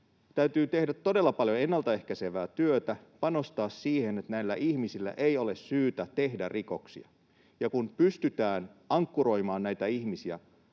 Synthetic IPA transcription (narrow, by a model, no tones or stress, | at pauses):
t̪æyt̪yːt̪e̞hdæt̪ːo̞de̞lːɑpɑljoenːɑlt̪ɑe̞hkæseʋæːt̪yøt̪æpɑno̞st̪ɑːssiːhenet̪næilːæ̰ʔihmisilːæ̰ʔejo̞le̞ssyːt̪æt̪e̞hdærʔiko̞̰ksḭɑ̰ | jɑkunpyst̪yt̪æːnɑŋkːuɾo̞jmɑːnnæjt̪æihmisiæ̰